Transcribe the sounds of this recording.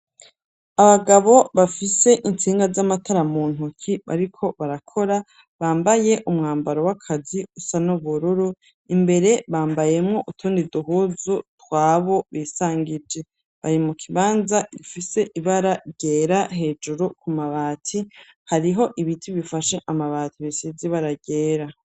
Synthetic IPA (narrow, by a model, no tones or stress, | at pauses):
aβaɡaβo̞βafise̞ʔint͡siːŋɡazamatʰaɾamuːn̥ukʰiβa̰ɾikʰo̞βaɾakʰo̞ɾa | βaːmbaje̞ʔumŋaːmbaɾo̞wakʰaziusanuβuɾuɾu | imbe̞ɾe̞βaːmbaje̞mŋo̞ʔutʰuːndiduɦuːzutwaːβo̞βiːsaːŋɡid͡ʒe̞ | βa̰ɾimukʰiβaːnzaifise̞ʔiβaɾaɟe̞ːɾahe̞ːd͡ʒuɾukʰumaβaːtʰi | haɾiɦo̞ʔiβitʰiβifaʃeʔamaβaːtʰiβisiziβaɾaɟe̞ːɾa